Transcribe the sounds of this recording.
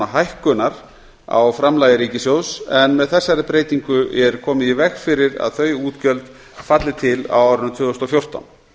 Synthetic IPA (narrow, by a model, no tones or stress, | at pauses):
aɦajhkʏnaɾ̥ | a̰wfɾamlajðɪɾiːcɪsjowsɛnmɛðθɛsːaɾɪpɾeːjt̪iŋkʏʔɛɾkʰɔːmɪðivɛxfɪɾɪɾa̰ðθœɥjuːt̪cœlt̪ | fat̪lɪt̪ʰɪla̰waːwɾʏnt̪ʰvʏːðost̪ɔfjowr̥t̪a̰n